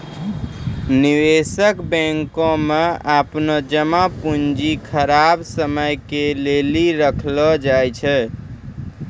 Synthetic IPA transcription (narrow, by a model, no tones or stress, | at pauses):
niwesəkbɛ̃ŋkõmeapnəd͡ʒəmapund͡ʒikʰəɾabsəməjkeleliɾəkʰlɔd͡ʒajt͡ʃʰɛ